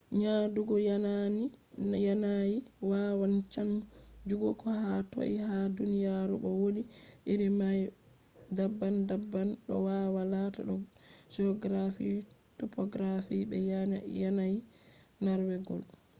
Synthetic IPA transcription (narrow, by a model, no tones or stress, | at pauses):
ɲaduɡɔjananijanajiwawant͡ʃand͡ʒuɡɔkɔhato̰ʔḭhadunijaɾuɓɔwoɗiʔiɾimaj | dabːandabːanɗɔwawalata̰ɗɔ | d͡ʒɔɡɾafḭtɔpɔɡɾafiɓɛ̰jjanaj | naɾwɛɡɔ̰l